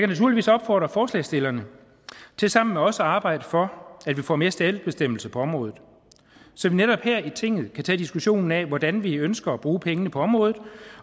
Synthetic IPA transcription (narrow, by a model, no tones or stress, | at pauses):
jɑkʰænæt͡sʰuɐliʋḭːsɒ̽b̥fɒ̰ːd̥ʁɐfɒːslɛ̰ːsd̥e̝lɐnə | t͡sʰe̝lsɑ̈m̰n̩meɒ̽səɑ̈ːb̥ɑ̈ɪ̰d̥əfɒ̽æd̥ʋifɒ̰ːme̝ːɐsd̥ɛld̥̚b̥e̝sd̥em̰l̩səpʰɒ̽ɒ̽mʁɔ̽ːð̩ˠ | sɒ̽ʋineɾɒ̽b̥hɛɐ̰it͡sʰe̝ŋ̰ð̞̩ˠkʰæt͡sʰɛ̰ːd̥isɡ̥uɕo̝̰ːnn̩ɛʋɒd̥ænʋiønsɡ̥ɐːb̥ʁuːpʰeŋənəpʰɒ̽ɒ̽mʁɔ̽ːðˠð̩ˠ